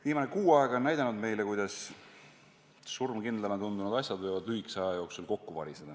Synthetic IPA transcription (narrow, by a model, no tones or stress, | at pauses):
viːmɑne̞kuːɑeɡ̥o̞næjd̪ɑnud̪me̞jlekujd̪̥ɑs | surmkind̪lelɑt̪und̪unud̪ɑsʲjɑd̪vojvɑd̪̥yiksɑjɑjo̞ksulko̞kːuvɑ̰ɾʲised̪ɑ